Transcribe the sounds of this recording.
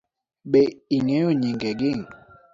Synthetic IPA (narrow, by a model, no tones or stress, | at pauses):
ɓeiŋɛoɲiŋɡɛɡiŋ